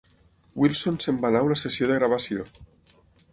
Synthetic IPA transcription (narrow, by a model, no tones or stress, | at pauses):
wilˠsonsembanaunasesjoðeɣɾaβ̞asjo